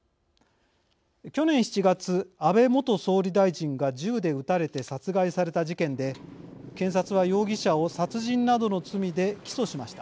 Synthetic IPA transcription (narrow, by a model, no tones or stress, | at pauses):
kʲo̞nẽɰ̃çi̥t͡ɕiɡat͡sɨabe̞mo̞t̪o̞so̞ːɾʲid̪aiʑĩŋɡad͡ʑɨːd̪e̞ɯ̟t̪aɾe̞t̪e̞sat͡sɨɡaisaɾe̞t̪aʑikẽ̞nd̪e̞kẽ̞ɰ̃sat͡sɨβajo̞ːɡʲiɕao̞sat͡sɨʑĩnnːad̪o̞no̞t͡sɨmʲid̪e̞kʲi̥so̞ɕimaɕi̥t̪a